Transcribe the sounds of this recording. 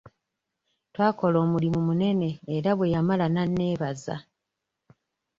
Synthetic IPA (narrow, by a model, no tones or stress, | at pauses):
twaːko̞lo̞ːmulimumune̞ne̞ːɾaβwe̞jamalananːe̞ːβaza̰